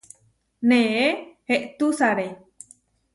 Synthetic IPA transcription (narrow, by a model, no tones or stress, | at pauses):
nẽeheʔt̪usaɾe